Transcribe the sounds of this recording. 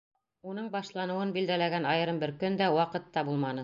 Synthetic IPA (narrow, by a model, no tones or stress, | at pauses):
unɤɴbɑʃlˠɑnɤ̆wɤnbild̪ælæɡænɑjɤ̆ɾɤmbɘɾkɵnd̪æwɑqɤ̆t̪ːɑbulˠmɑnɤ